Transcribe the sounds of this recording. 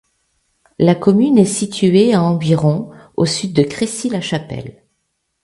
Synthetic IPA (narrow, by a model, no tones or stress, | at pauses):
lakɔmynɛsit̪ʰyeaɑ̃viʁɔ̃ | o̰syd̪ːəkχesilaʃapɛ̰l